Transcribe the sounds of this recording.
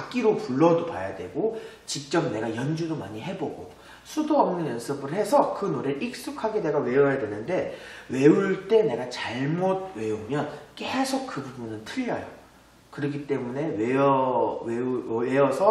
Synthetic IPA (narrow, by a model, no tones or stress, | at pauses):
ak͈iɾopuɭːʌdopajadwe̞ɡo | t͡ɕik̚t͡ɕ͈ʌmne̞ɡajʌnd͡ʑudomaɲiɦe̞boɡo | sʰudoʌmnɯnjʌnsʰɯbɯɭhe̞sʰʌkɯnoɾeik̚s͈ukʰaɡede̞ɡawe̞ʌjadwe̞nɯnde̞we̞uɭt͈e̞ne̞ɡat͡ɕaɭmot̚we̞umjʌnk͈esʰok̚k͈ːɯbubjunɯntʰɯʎːʌjo | kɯɾʌɡit͈e̞mune̞weʌ | eʌsʰʌ